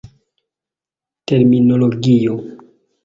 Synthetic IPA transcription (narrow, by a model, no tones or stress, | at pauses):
teɾminoloɡio